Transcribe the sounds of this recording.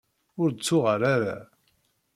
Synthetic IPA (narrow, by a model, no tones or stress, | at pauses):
ʊɾt͡sːʊʁəɾaɾa